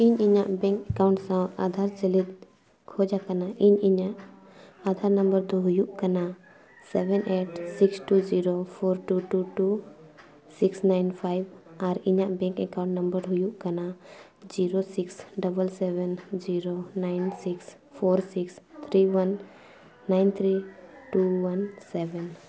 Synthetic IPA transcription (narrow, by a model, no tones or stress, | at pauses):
iɲiɲaʔbɛ̃ŋkɛkaʊ̃ɳʈsãa̰d̪ʱaɾt͡ʃəlid̪ | kʰod͡ʒakɐnaʔiɲiɲaʔ | ad̪ʱaɾnəmbəɾd̪oɦujuʔkɐna | sɛbɛnʔeːʈsiksʈud͡ʒiɾopʰoːɾʈuʈuʈu | siksnaɪnpʰajbaɾiɲaʔbɛ̃ŋkɛkaʊ̃ɳʈnəmbəɾɦujuʔkana | d͡ʒiɾosiksɖəbəlsɛβɛnd͡ʒiɾonajnsiks | pʰoɾsikst̪ʰɾiwanː | ajnt̪ʰɾiʈuwansɛbɛn